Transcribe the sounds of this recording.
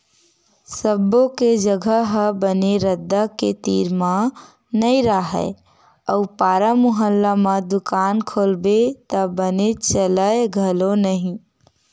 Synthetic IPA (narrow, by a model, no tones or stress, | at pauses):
səboked͡ʒəɡʱəɦəbəneɾəd̪ːəket̪iːɾmã | nəiɾaɦɛ̰ | əupaːɾəmʊɦəlːamãd̪ʊkaːnkʰoːlbet̪əbənet͡ʃələeɡʱəlonəɦĩ